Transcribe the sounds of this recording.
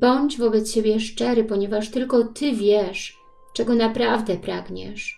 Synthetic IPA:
bɔɲd͡ʑvɔbɛt̪st͡ɕebʲjɛʂt͡ʂɛɾɘpɔɲɛvaʂt̪ɘlkɔt̪ʰɘvʲjɛʂ | t͡ʂɛɡɔnapɾavd̪ɛpɾaɡɲɛ̰ʂ

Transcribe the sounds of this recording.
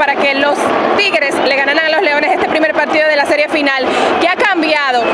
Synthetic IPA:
aɾake̞lo̞st̪iɣeɾe̞sle̞ɣanaɾaŋalo̞sle̞o̞nese̞st̪e̞pɾime̞ɾpaɾt̪iðo̞ðe̞lase̞ɾje̞finalkeakambjaðo̞

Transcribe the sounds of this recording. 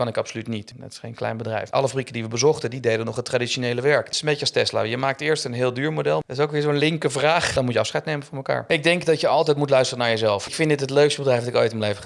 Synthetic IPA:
kɑnɪkɑpsolytnitə̰tɪ̥sχejnklɛ̰jnbədrɛ̰jfʔɑ̰ləfbrikədiʋəbəzɔχtədidejdənɔχətːradionejləʋɛɹkɪsəmbejçəɑstɛsla̰jəmaːk̚tɪːɹstənɦɪːlˠdyːɹmodɛlˠətɪsowkʋɪːɹzoənlɪŋkəvraːχdɑnmutjəɑfsχɛjtnejmənvɑnmɛlka̰ːɹɪɡ̚dɛŋkdɑtjəɑlˠtɛjtmutlœɥstərənaːɹjəzɛlˠfɪkfɪndɪtɦətløɥkstəbədrɛjfdɑtɪko̰jtɪmlejfə

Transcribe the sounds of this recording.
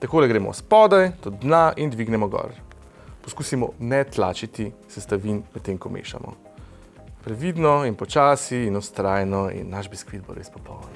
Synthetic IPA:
t̪akoːlɛɡɾeːmɔ̰wspɔːd̪ajt̪ɔd̪̚d̪naʔind̪ʋiɡnɛmɔɡɔ̰ɾ | pɔskuːsimɔ̰nɛt̪la̰ːt͡ʃit̪isɛst̪aʋinmɛt̪ːeŋkɔmʔḛːʃa̰mɔ̰ | pɾɛʋiːd̪nɔinpɔt͡ʃaːsiːnɔst̪ɾaːjnɔḭnːaʃbiskʋid̪̚bo̰ɾḛspɔpɔwn

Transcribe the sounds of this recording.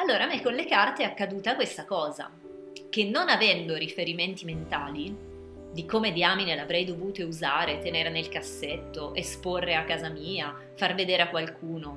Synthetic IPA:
alːoːɾamekːonlekart̪eakːad̪uːt̪akwest̪akɔːza̰ | kenːonavɛnd̪oɾifeɾiment̪iment̪aːli | d̪ikomed̪iaminelavɾɛjd̪ovuːt̪ouzaːɾet̪eneːɾenelkasːet̪ːoʔesporːeakːaːzamiːa | farved̪eːɾeakwalkʰuːno

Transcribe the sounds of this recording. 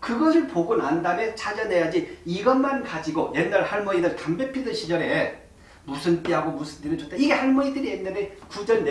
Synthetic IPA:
kɯɡʌsʰɯɭpoɡonandamjʌnt͡ɕʰad͡ʑʌne̞jad͡ʑiiɡʌnmankad͡ʑiɡojennːaɭhaɭmʌinɯɭtambepʰidɯnɕʰid͡ʑʌɾe̞ | musʰɯnt͈iɦaɡomusʰɯnt͈inɯnt͡ɕotʰeiɡe̞haɭmʌidɯɾienːanekud͡ʑʌnːe

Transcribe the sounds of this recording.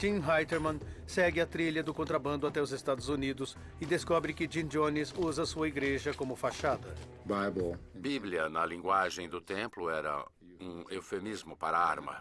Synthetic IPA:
t͡ʃ̪ĩmɦajt̪eɾmɐ̃nsɛɡɪɐt̪ɾiʎɐd̪ʊkõnt̪ɾabɐ̃nd̪ʊat̪ɛʊzest̪ad̪ʊzunid̪ʊs | ɪd̪eskɔbɾɪkɪd͡ʒĩnd͡ʒõnizuzɐsuɐiɡɾeʒɐkõmʊfaʃad̪ɐ | bajblbibliɐnɐlĩŋɡwaʒẽj̃d̪ʊt̪ẽmplʊɛɾɐ̰ | ũewfemizmʊpaɾɐa̰ɾmɐ̰

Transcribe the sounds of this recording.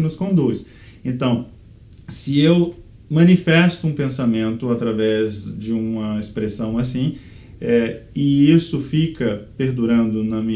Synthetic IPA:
ɪnʊskõd̪us | ẽnt̪ɐ̃w̃ | sɪew | mɐ̃nifɛst̪ʊũpẽsamẽnt̪ʊat̪ɾavɛzd͡ʒɪũmɐespɾesɐ̃w̃asĩ | ɛɪisʊfikɐpeɾd̪uɾɐ̃nd̪ʊnɐmĩ

